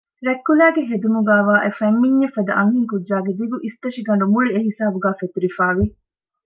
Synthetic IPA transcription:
ɾekːulæːɡeɦed̪umuɡæːʋaːʔefɐmːiɲːɐfɐd̪ɐʔɐŋɦiŋkudʒaːɡed̪iɡuʔist̪ɐʃiɡɐɳɖumuɭieɦisaːbuɡæːfet̪uɾifaːʋi

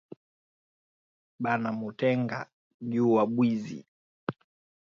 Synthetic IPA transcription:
ɓanamutɛŋɡa̰ | ʄuwaɓwizḭ

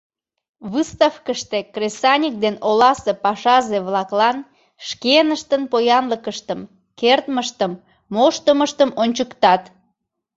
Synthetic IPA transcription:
βɨst̪ɑfkəʃt̪ekrʲesɑnʲik̚d̪enolɑsepɑʃɑzeβlɑklɑn | ʃkenəʃt̪ənpojɑnləkəʃt̪əm | kert̪məʃt̪əmː | oʃt̪əməʃt̪əmonʲt͡ɕəkt̪ɑt̪

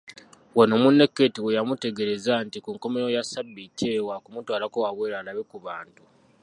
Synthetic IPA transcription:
wano̞munːe̞kːe̞tiwejamute̞ɡe̞ɾe̞zantikuŋko̞me̞ɾojasabːicːewakumutwaːlakowaβweːɾanaβekuβaːntu

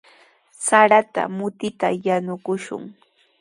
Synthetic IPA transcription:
saɾat̪a̰mʊt̪ɪt̪a̰janʊkʊʃʊ̰ŋ

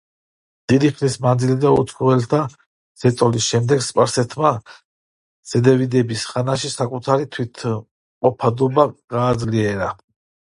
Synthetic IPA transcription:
d̪̥id̪iχlismand̪zilid̪aut̪sχɔvɛlt̪ʰa | z̥ɛt̪sʼɔlisʃɛmd̪ɛɡspʼaɾsɛt̪ʰma | z̥ɛd̪ɛvid̪ɛbisχanaʃisakʼut̪ʰaɾit̪ʰwit̪ʰ | qʼɔpʰad̪ɔbaɡ̥aːd̪zliɛɾa

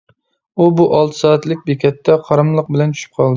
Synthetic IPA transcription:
ubuʔɑlˠt̪ʰɨ̥sɑːɛt̪lɪk̚ʲbekʲʰɛt̪ːɛqʰɑɾɨmlˠəq̚bɪlɛnt͡ʃʰy̥ʃy̥p̚qʰɑlˠd̪ɪ

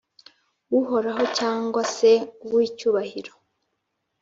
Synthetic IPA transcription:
wuɦo̞ɾaɦo̞caːŋɡwase̞uwicuːβahiɾo̞

